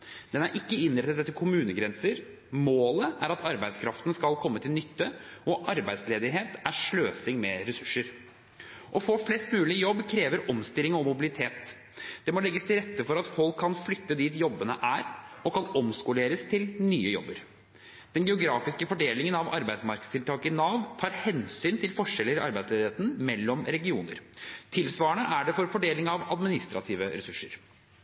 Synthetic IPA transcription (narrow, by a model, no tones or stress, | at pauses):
d̪̥ɛnæɾʔɪkːəɪnɾɛt̪ːət̪ət̪ʰːɪlkʰʊmʉːnəɡɾɛnsəɾ | moːləæɾɑt̪ʰɑɾbæɪd̪skʰɾɑft̪ənəskɑlkʰɔmːət̪ʰɪlnʏt̪ːəʔɔʔɑɾbæɪd̪sleːd̪ɪɦeːt̪æʂɭøːsɪŋmɛɾɛsʉ̥ʂːəɾ | ʔɔfoːflɛst̪mʉːlɪjɔbːkʰɾeːʋəɾʔɔmst̪ɪlɪŋɔmʊbɪlɪt̪ʰeːt̪ | d̪̥ɛmɔlɛɡːəst̪ɪlɾɛt̪ːəfɔɾɑt̪fɔlkʰːɑnflʏt̪ːəd̪iːt̪jɔbːənəʔæːɾɔkʰɑnɔmskʊleːɾəst̪ʰɪlnyːəjɔ̰bːə̰ɾ | d̪̥ɛnɡɛʊɡɾɑːfɪskəfɔɖeːlɪŋənɑʋɑɾbæɪd̪smɑɾkə̥st̪ʰɪlt̪ʰɑːkɪnɑːʋt̪ʰɑːɾhɛnsyːnt̪ʰɪlfɔʂɛlːəɾɪɑ̰ɾbæɪsleːd̪eːt̪n̩mɛlːɔmɾɛɡɪuːnə̰ɾt̪ʰɪlsʋɑːəɳəʔæɖɛfɔɾfɔɖeːlɪŋɑʋɑd̪mɪnɪst̪ɾɑ̰t̪ʰiːʋəɾɛsʉʂːəɾ